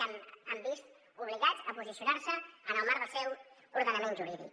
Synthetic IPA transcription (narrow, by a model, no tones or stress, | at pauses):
aməmbist̪ | uβliɣad͡zəpuzisiunaɾsəːnəlˠmaɾðəsɛw | uɾðənəmẽnʒuɾiðḭ